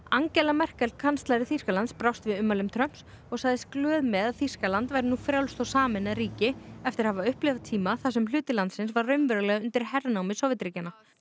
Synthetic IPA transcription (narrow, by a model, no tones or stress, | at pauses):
aŋcɛlamɛr̥kɛlt̪̚kʰanst̪laɾɪθir̥kalant̪spɾawst̪vɪðʏmːalʏmt̪ʰɾœm̥s | ɔɣsaːɣðɪsklœːðmɛðaθir̥kalant̪vajɾɪnuːfɾjawlst̪ɔwsaːmɪnaɾiːcɪɛft̪ɪɾ̥havaʏhplɛvat̪ʰiːmaθasɛml̥ʏːt̪ɪlant̪sɪnsvarrʏɥmvɛɾʏlɛɣʏnt̪ɪɾ̥hɛrnawmɪsɔwvɪt̪ɾiːcana